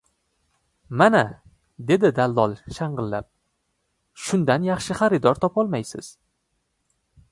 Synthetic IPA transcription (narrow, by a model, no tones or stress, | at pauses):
mana | d̪e̞d̪ɪd̪alˠd̪ɒlˠʃaɴʁɨlːap̚ | ʃʊnd̪anjɑχʃɪχaɾɪd̪ɒɾt̪ʰɒpɒlˠmajsɪ̰z̥